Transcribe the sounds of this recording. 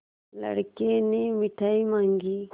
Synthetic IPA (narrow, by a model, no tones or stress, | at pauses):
lɐ̰ɽkenemɪʈʰaimaːŋɡi